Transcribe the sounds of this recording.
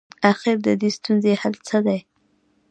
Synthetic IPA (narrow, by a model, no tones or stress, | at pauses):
axɪɾd̪əd̪est̪unzehalt͡səd̪aj